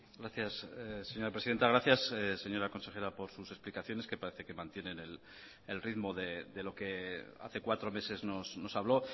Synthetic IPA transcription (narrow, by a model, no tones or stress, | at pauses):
ɡɾaθjasesːe̞ɲo̞ɾapɾesiðe̞nt̪aɣɾaθjasese̞ɲo̞ɾako̞nse̞xe̞ɾapo̞ɾsuse̞splikaθjo̞ne̞ske̞paɾe̞θe̞ke̞mãnt̪je̞ne̞ne̞l | elriðmo̞ðe̞d̪e̞lo̞ke̞a̰θe̞kwat̪ɾo̞me̞se̞zno̞sno̞saβ̞lo̞